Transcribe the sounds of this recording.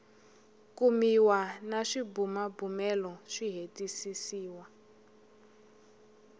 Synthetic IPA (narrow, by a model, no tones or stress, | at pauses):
kʼumiwanaʂibumabumɛlɔʂiɦetʼisisiːwa